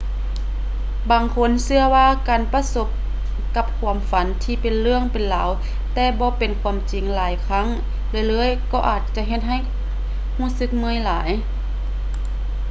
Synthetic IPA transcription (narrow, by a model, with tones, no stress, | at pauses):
baː˨ŋkʰo˧˥˨nsɯ˧ɐəwaː˧kaː˨npa˧so˧˥p̚ | ka˧p̚kʰu˧˩əmfa˨˦nt̪ʰiː˧˩pe˨nlɯ˧˩əŋpe˨nla̰ː˨˦w | t̪ɛː˧bɔː˧˦pe˨nkʰuː˧˩əmt͡ɕi˨˩ŋlaː˨˦jkʰa˧˥˨ŋ | lɤː˧˨jlɤː˧˥˨jkɔː˧ʔaː˨˩t̪̚t͡ɕa˧˦ɦe˧t̪̚ɦa˧˩j | huː˧˩˨sɯ˧˥k̚mɯ˧˥ə˨jlaː˨˩˦j